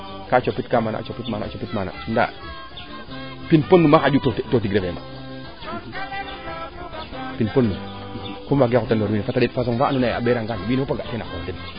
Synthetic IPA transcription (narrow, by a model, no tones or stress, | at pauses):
kat͡ʃopːitkamana̰t͡ʃopitmaa̰t͡ʃopitmana̰sunda̰ | pinponːumaxad͡ʒutottot̬iɾefema̰ | pinponːu | komaɡekutandoɾwiːnifatadetfas̬oŋvaanunaa̰beɾaŋɡanwiːnpaɡatenaondin